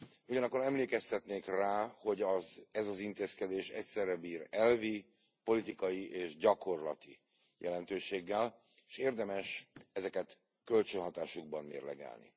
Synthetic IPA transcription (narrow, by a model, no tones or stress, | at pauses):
uɟɒnɒkːoɾɛmleːkɛst̪ɛt̪neːkraːho̞ɟɒzɛzɒzint̪eːskɛd̪eːʃɛ̰csɛrːɛbiːrɛlvi | po̞lit̪ikɒjiʔeːʒɟɒko̞rlɒt̪i | jʔɛlɛn̪t̪øːʃeːɡːɛl | eʃeːrd̪ɛmɛʃɛzɛkɛt̪ | kølt͡ʃønɦɒt̪aːʃuɡ̚bɒmmḛːrlɛ̰ɡɛ̰ːlnḭ